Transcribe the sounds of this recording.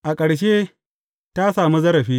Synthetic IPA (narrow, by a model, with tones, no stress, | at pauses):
ʔa˨kʼɐ˨ɽʃe˦ | ta˦saː˨mi˦zɐ˦ɾɐ˨ɸiː˦